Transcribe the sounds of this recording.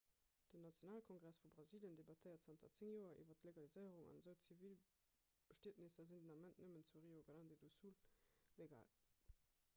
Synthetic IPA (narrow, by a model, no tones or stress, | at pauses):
d̥ənɑt͡sjonaːlkʰɔŋɡʁæsfubʁɑziːljəndebɑtʰəɪɐtsɑntʰɐt͡seŋjoːɐʔḭvɐtleɡɑlizəɪəʁuŋɑ̰nzəʊt͡sivil | b̥əʃtiːtnisɐzindənɑmæntnəmənt͡suʁiːoɡəlɑndedusulleɡa̰ːl